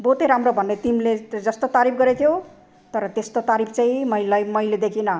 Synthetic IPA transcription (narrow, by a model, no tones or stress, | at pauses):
bot̪eɾamrobʱʌnːet̪imled͡zʌst̪ot̪aɾip̚ʰɡʌɾet̪ʰjo | t̪ʌɾʌt̪est̪ot̪aɾipʰt͡saĩmʌjlajmʌjled̪ekʰinʌ